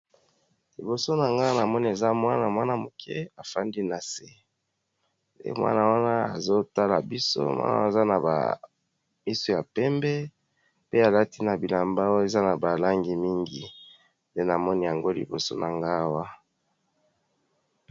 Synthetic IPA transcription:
li˨bo˨so˦na˨ŋɡa˦na˨mɔ˦ni˦e˨za˦mwa˦na˨mwa˦na˦mo˨kʰɛ̰˦a˨fa˦ndi˦na˨se˨ | ḛ˦mwa̰˦na˦˨wa˦na˦a̰˨zo˦ta˦la̰˨bi˦so̰˦mwa̰˦na̰˦a˦˨za˦na˨ba̰˨ | mi˦so˨ja˨pɛ˦mbɛ˦ | pe˦a˨la˦ti˦na˨bi˨la˨mba˦wo˦e˨za˦na˨ba˨la˦ŋɡi˨mi˦ŋɡi˨ | nde˦na˨mɔ˦ni˦ja˨ŋɡo˦lḭ˨bo̰˨so̰˦na˨ŋɡa˦˨wa˦

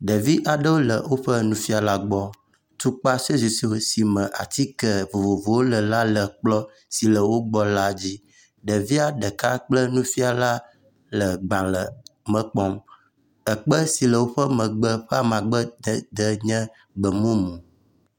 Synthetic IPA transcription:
ɖə˨vi˦ʔa˨ɖə˦wo˦lə˨wo˦ɸə˦nũ˦fi˦a˨la˦ɡ͡bɔ˦ | t̪u˦k͡pa˦so˦zi˨si˦o˦si˨mə̃˨ʔa̰˨t̪i˦kə˨vo˨vo˨vo˨wo˦lə˨la˦lə˨k͡plɔ˦ | si˨lə˨wo˦ɡ͡bɔ˦la˦d͡ʑi˦ | ɖə˨vi˦a˨ɖə˨ka˦k͡plə˦nũ˦fi˦a˨la˦ | lə˨ɡ͡bã˨lə˨mə̃˨k͡pɔ˦m | ə˨k͡pə˦si˨lə˨wo˦ɸə˦mə̃˨ɡ͡bə˦ɸɛ˦a˨mã˨ɡ͡bə˦d̪d̪ə˦ɲɛ̃˦ | ɡ͡bə˨mõ˦mũ˨

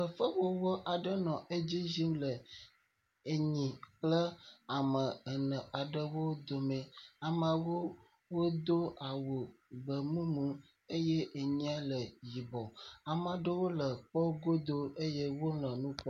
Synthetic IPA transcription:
ə˨fə˦wo˦wɔ˦ʔa˨ɖə˦nɔ̃˨ʔe˦d͡ʑi˦zi˦m˦lə˨ | e˨ɲĩ˨k͡plə˦a˨mə̃˨ə˨nə̃˨a˨ɖə˦wo˦d̪o˨mẽ˨a˨mə̃˨wo˦ | wo˦d̪o˦a˨wo˨ɡ͡bə˨mũ˦mũ˦ | e˦jɛ˦ʔe˨ɲĩ˦a˦lə˨ji˨bɔ˨a˨m˨a˨ɖə˦wo˦lə˨k͡pɔ˦ɡo˦d̪o˦e˦je˦wo˦lɛ̃˨nũ˦k͡pɔ˦

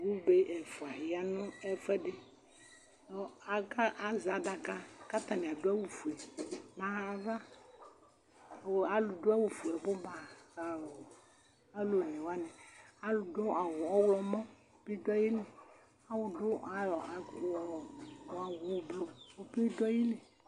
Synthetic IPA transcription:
wu˦be˦ʔɛ˨fu˨a˨ji˨˦a˦nʊ̃˦ɛ˦fɛ˦ɖe˦ | ɔ˦a˦ka˦ʔa˨za˨da˨ka˦ka˦t̪ã˨nĩ˨a˨do˦a˦wu˨fu˨ɛ˨mã˨va˦˨ | a˨lu˨do˦a˦wu˨fu˨ɛ˨bo˦ba˨a˨wo˨ | e˦lo˨nɛ̃˨wa˦nɛ̃˨a˦lu˨do˦a˨wo˨ɔ˦wlɔ˨mɔ̃˦˨ | pe˦dɔ˦ji˦le˨ | a˦wʊ˨do˦a˨jɔ˨a˨ɔ˨a˨wu˨blo˨wo˦pi˦dɔ˦ji˦le˨

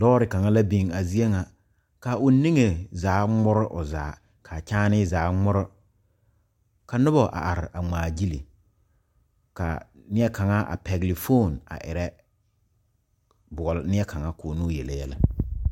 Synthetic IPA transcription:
lɔː˦ɾɪ˨ka˨ŋa˦la˦bi˨ŋa˨zi˦e˦ŋa˨ | ka˨ʊ˨ni˦ŋe˨zaː˨˦ŋ͡mʊ˦ɾɪ˦ʔʊ̰˨zaː˨˦ | kʰa˨t͡ʃaː˦nɪ˦zaː˨˦ŋ͡mʊ˦ɾʊ˦ | ka˨nʊ˦bɔ˨ʔa̰˨ʔa˨ɾɪ˨ʔa˨ŋ͡maː˨d͡ʒi˦li˨ | ka̰˨ | nɪ˦ɛ˦ka˨ŋa˦ʔa̰˨pɛ˨ɡlɪ˨fo˦˨na̰˨ʔɪ̰˨ɾɛ˦ | bʊ˨ɔ˨lnɪ˦ɛ˦ka˨ŋa˦koː˨no˦jɛ˨lɛ˨jɛ˦la̰˦

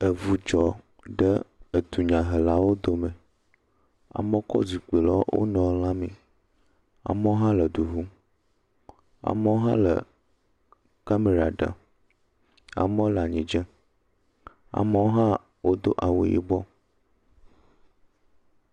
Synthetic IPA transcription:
ə˨vu˨d͡ʒɔ˨ | ɖə˦ə˨d̪u˨ɲã˨ɦə˨la˦wo˦d̪o˦mɛ̃˨ | a̰˨mə̃˦kɔ̰˦zi˨k͡pe˨lɔ˦wo̰˦nɔ̃˨˦l̃ã˦mĩ˨ | a̰˨mə˦o˦ɦã˦lə˨ɖu˨ɦu˦ | a̰˨mə˦wo˦ɦã̰˦lə̰˨ | ka˦me˨ɾa˨ɖə̰˨ | a̰˨mɔ̃˦la˨ɲĩ˨d͡ʒə˦ | a̰˨mə˦wo˦ɦã˦ | wo˦d̪o˦ʔa˨wo̰˦jḭ˦bɔ˦

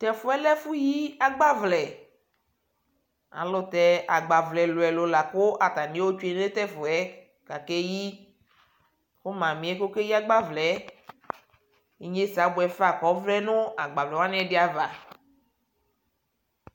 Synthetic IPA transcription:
t̪ɛ˨fʊ˦ɛ˦lɛ˦fu˦ji˦a˦ɡ͡ba˦vlɛ˨ | a̰˨lʊ˦t̪ɛ˦a˨ɡ͡ba˨vlɛ˨lo˨ɛ˨lo˨la˨ko˦ʔa˨t̪a˨nĩ˨˦e˦wo˦t͡ʃu˦e˦n˦e˦t̪ɛ˦fʊ˨ɛ˦ | ka˨ke˦ji˦ | ko˦mã˨mĩ˨˦ɛ˦ko˦ke˦ji˦a˦ɡ͡ba˦vlɛ˨˦ | i˨ɲe˦sa˨˦bo˨ɛ˨fa˨kɔ˨˦vlɛ˦nũ˦a˨ɡ͡ba˨vlɛ˨wa˦nĩ˦ɛ˦dɪ˦a˨va˨

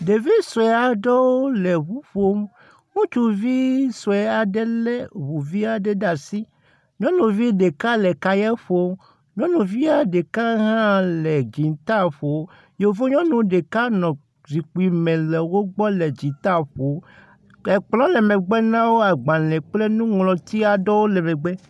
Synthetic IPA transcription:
ɖe˨vi˦so˨ɛ˨a˨ɖɔ˦wo˦lɛ˨βu˦ɸo˦m | ŋũ˦t͡ʃu˨vi˦sɔ˨ɛ˨a˨ɖe˦lɛ˦βu˨vi˦a˨ɖe˦ɖa˨si˦ | ɲɔ̃˦nũ˨vi˦ɖe˨ka˦lɛ˨ka˦jɛ˦ɸo˦m | ɲɔ̃˦nũ˨vi˦a˨ɖe˨ka˦ɦã˦lɛ˨d͡ʒi˨t̪a˦ɸo˨˦ | je˨vo˦ɲɔ̃˦nũ˨ɖe˨ka˦nɔ̃˨ | zi˨k͡pu˨i˨mɛ̃˨lɛ˨wo˦ɡ͡bɔ˦lɛ˨d͡ʑi˨t̪a˦ɸo˨˦ | e˨k͡plɔ̃˦lɛ˨mɛ̃˨ɡ͡bɛ˦nã˦wo˦a˨ɡ͡bã˨lɛ̃˨k͡ple˦nũ˦ŋlɔ̃˨t̪i˦a˨dɔ˦wo˦lɛ˨mɛ̃˨ɡ͡bɛ˦

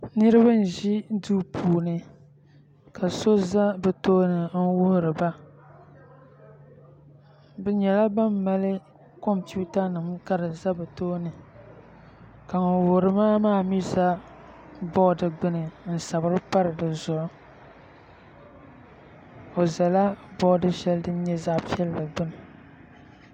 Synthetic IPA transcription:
nɨ˦ɾɨ˦ba˦n̩˨ʒi˦duː˦pʰuː˨nɨ˨ | ka˨so˦za˦bɨ˨to˦nɨ˨n̩˦wʊ˦hʊ˨ɾɨ˨ba˦ | bɛ˨ɲɛ˨la˦ba˦mːa˦lɨ˦ | ko˦m˨pi˦ʊ˦ta˦nɨ˨m˦ka˦ɾɨ˨za˦bɨ˨toː˦nɨ˨ | ka˨ŋo˨wʊ˨hɾɨ˨maː˦maː˦˨mi˦za˦ | bɔ˦dɨ˨ɡ͡bɨ˦nɨ˨n̩˨sa˨bɨ˨ɾɨ˦pa˦ɾɨ˨dɨ˨zʊ˨ʔʊ˦ | o˨za˨la˦bɔ˦dɨ˦ʃɛ˦ldɨ˦n˦ɲɛ˦za˦ʔpi˦ɛ˦lɨ˦dɨ˨ɡ͡bɨ˦nɨ˨

